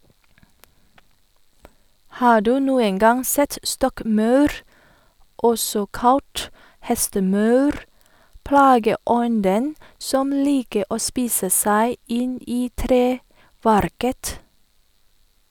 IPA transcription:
ˈhɑː ˈɖʉː ˈnuːəŋ ˈɡɑŋ ˈsɛt ˈstɔkˌmœʉɾ ˈʔɔsɔ ˈkɑlt ˈhɛstəˌmœʉɾ ˈplɑːɡəˌɔndən ˈsɔm ˈliːkə ˈʔoː ˈspiːsə ˈsæɪ ˈɪn ˈiː ˈtɾeːˌʋæɾkət

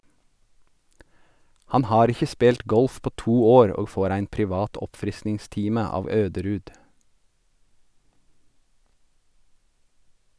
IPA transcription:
ˈhɑn ˈhɑːɾ ˈɪçə ˈspeːlt ˈɡɔlf ˈpoː ˈtuː ˈoːɾ ˈoː ˈfoːɾ ˈæɪn pɾɪˈʋɑːt ˈɔpfɾɪsnɪŋˌstiːmə ˈɑːʋ ˈøːdəɾʉːd

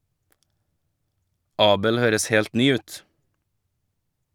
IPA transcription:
ˈɑːbəl ˈhøːɾəs ˈheːlt ˈnyː ˈʉːt

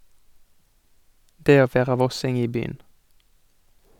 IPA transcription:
ˈdeː ˈoː ˈʋeːʁɑ ˈʋɔsɪŋ ˈiː ˈbyːən

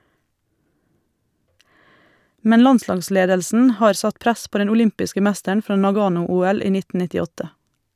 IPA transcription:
ˈmɛn ˈlɑnˌslɑːɡˌsleːdəlsn̩ ˈhɑːɾ ˈsɑt ˈpɾæs ˈpoː ˈdɛn ʊˈlʏmpɪskə ˈmæstəɳ ˈfɾɑː nɑˈɡɑːnʊˌuːɛl ˈiː ˈnɪt nɪtɪˈɔtə

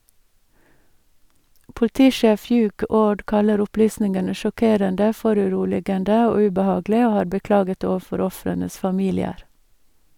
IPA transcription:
pʊlˈtiːˌʃeːf ˈhjʉːɡ ˈoːɖ ˈkɑləɾ ʊˈplyːsnɪŋənə ʃɔˈkeːɾəndə ˈfɔɾʉˌɾuːlɪɡəndə ˈoː ʉbəˈhɑːɡlɪ ˈoː ˈhɑːɾ bəˈklɑːɡət ˈoːʋəˌfɔɾ ˈɔfɾənəs fɑˈmiːlɪəɾ

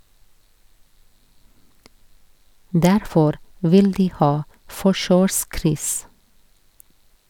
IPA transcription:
ˈdæɾfɔɾ ˈʋɪl ˈdiː ˈhɑː ˈfɔʃøːˌskɾʏs

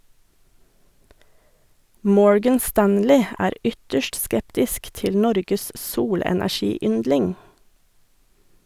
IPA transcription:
ˈmɔɹɡən ˈstænlɪ ˈæːɾ ˈʏtəʃʈ ˈskɛptɪsk ˈtɪl ˈnɔɾɡəs ˈsuːlɛnæˌʃiːˌʏndlɪŋ

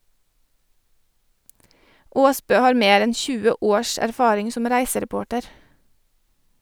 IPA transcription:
ˈoːsbøː ˈhɑːɾ ˈmeːɾ ˈɛn ˈçʉːə ˈoːɾʃ æɾˈfɑːɾɪŋ ˈsʊm ˈɾæɪsəɾɛˌpoːʈəɾ

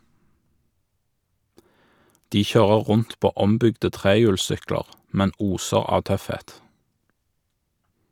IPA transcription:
ˈdiː ˈçøːʁə ˈʁʊnt ˈpoː ˈɔmˌbʏɡdə ˈtʁeːjʉːlˌsʏkləʁ ˈmɛn ˈuːsəʁ ˈɑː ˈtœfˌheːt

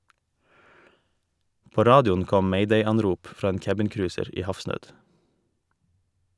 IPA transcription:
ˈpoː ˈɾɑːdɪʊn ˈkɔm ˈmɛɪdɛɪˌɑnɾʊp ˈfɾɑː ˈeːn ˈkæbɪnˌkɾʉːsəɾ ˈiː ˈhɑfsnøːd

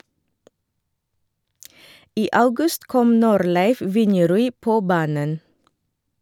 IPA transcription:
ˈiː ˈʔɑʉɡʉst ˈkɔm ˈnuːɾˌlæɪf ˈʋɪnjɛˌɾʉːiː ˈpoː ˈbɑːnən

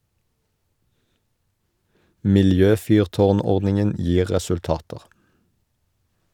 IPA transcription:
mɪlˈjøːˌfyːʁˌtoːʁˌnɔʁdnɪŋən ˈjiː ʁɛsʉlˈtɑːtəʁ

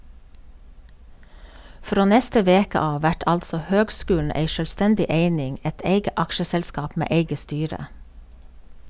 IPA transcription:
ˈfɾoː ˈnɛstə ˈʋeːkə ˈɑː ˈʋæʈ ˈɑltsɔ ˈhøːɡˌskʉːln̩ ˈeɪ ˌʃœlˈstɛndɪ ˈeɪnɪŋ ˈeɪt ˈeɪɡə ˈɑkʃəsɛlˌskɑːp ˈmeː ˈeɪɡə ˈstyːɹə

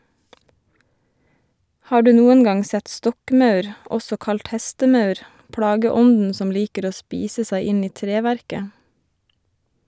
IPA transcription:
ˈhɑː ˈɖʉː ˈnuːən ˈɡɑŋ ˈsɛt ˈstɔkˌmɑʉɾ ˈɔsɔ ˈkɑlt ˈhɛstəˌmɑʉɾ ˈpɽɑːɡəˌɔndn̩ ˈsɔm ˈliːkəɾ ˈoː ˈspiːsə ˈsæɪ ˈɪn ˈiː ˈtɾeːʋæɾkə

